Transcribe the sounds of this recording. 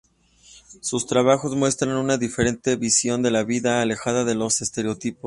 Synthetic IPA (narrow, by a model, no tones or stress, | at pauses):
sust̪ɾaβ̞axo̞zmwe̞st̪ɾanunaðifeɾe̞nt̪e̞βisjo̞nd̪e̞laβiðaːle̞xaðaðe̞lo̞se̞st̪e̞ɾeo̞t̪ipos